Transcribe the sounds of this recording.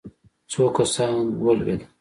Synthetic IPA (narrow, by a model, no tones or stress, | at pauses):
t͡sʰokasɑːnwəlwḛl